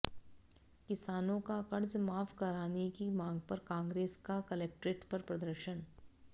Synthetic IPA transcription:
kɪsaːnõkakɐɾd͡ʒmaːfʰkɐɾaːnekimãːŋɡpɐɾkãːŋɡɾeːskakɐlɛk̚ʈɾeːʈpɐɾpɾɐd̪əɾʃən

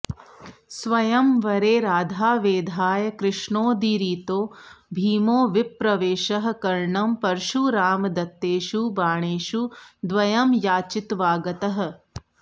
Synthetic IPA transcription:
sʋɐjɐmʋɐɾeːɾaːd̪ʱaːʋeːd̪ʱaːjɐkɾɪʂɳoːd̪iɾiːt̪oːbʱiːmoːʋipɾɐʋeːʃɐɦɐ̆kɐɾɳɐmpɐɾʃuɾaːmd̪ɐt̪ːeːʃubaːɳeːʃud̪ʋɐjɐmjaːt͡ʃit̪ʋaːɡɐt̪ɐɦɐ̆

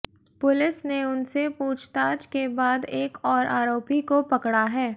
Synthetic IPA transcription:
pʊlɪsneʊnsepuːt͡ʃʰt̪aːd͡ʒkebaːd̪eːkɔːɾʔaːɾoːpikopɐkɽaɦɛː

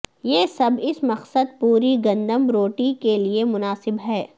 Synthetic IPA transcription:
jeːsɐbɪsmɐqsəd̪̚puːɾiɡɐ̃nd̪əmɾoːʈikeliemʊnaːsɪbɦɛː

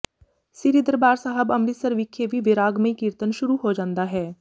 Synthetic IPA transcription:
sɪɾid̪əɾbaːɾsaːɦəbəmɾisəɾʋɪkʰːeʋiːʋɪɾaːɡmẽikiɾt̪ənʃʊɾuɦoːd͡ʒãːnd̪aːɦɛː

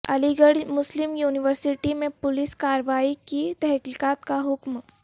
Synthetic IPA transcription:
ə̰liɡəɽmʊslimjuːniʋəɾsiʈimepʊliskaɾəʋaikit̪ɛɦkiːkat̪kaɦʊkm

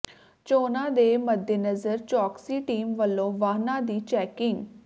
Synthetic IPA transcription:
t͡ʃoːnãːd̪eːməd̪jenəzəɾt͡ʃɔːksiːʈiːmʋəlːõːʋaːnãːd̪iːt͡ʃɛːkɪŋɡ

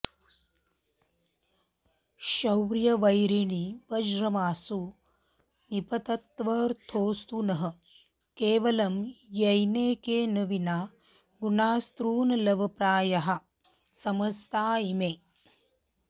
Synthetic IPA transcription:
ʃɐwɾjɐʋɐjɾiɳiʋɐd͡ʒɾɐmaːsu | nipɐt̪ɐt̪ʋɐɾt̪ʰoːst̪unɐɦɐ̆ | keːʋɐlɐmjɐjneːkeːnɐʋinaː | ɡunaːst̪ɾuːnɐlɐʋʱɐpɾaːjɐɦɐ̆ | sɐmɐst̪aːimeː

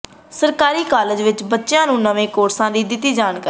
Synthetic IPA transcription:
səɾkaːɾiːkaːləd͡ʒʋɪt͡ʃbətːʃjãːnũːnəʋẽːkoːʈsãːd̪iːd̪ɪt̪ːiːd͡ʒaːɳkaːɾ

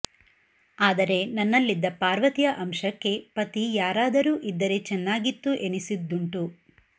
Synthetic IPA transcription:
aːd̪ɐɾe̞nɐnːɐlːid̪ːɐpaːɾʋɐt̪ijɐʔɐmʃɐkːe̞pɐt̪ijaːɾaːd̪ɐɾuːʔid̪ːɐɾe̞t͡ʃɛnːaːɡit̪ːuʔe̞nisid̪ːuɳʈu

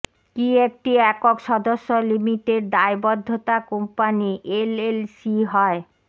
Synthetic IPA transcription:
kiek̚ʈiɛkokʃɔd̪oʃːolimiʈeɖ̚d̪aebɔd̪ʱːot̪akompaniʔelelsiɦɔe

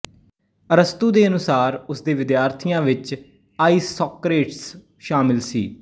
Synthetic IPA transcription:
əɾəst̪uːd̪eːənʊsaːɾʊsd̪eːʋɪd̪jaːɾt̪ʰɪjãːʋɪt͡ʃ | aːiːsoːkɾeːʈs | ʃaːmɪlsḭː

